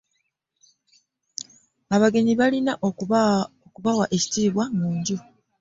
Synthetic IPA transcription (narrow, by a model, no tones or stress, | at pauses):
aβaɡe̞ɲiβalinaʔ | okuβawaʔe̞ci̥tiːβwamuːɲɟu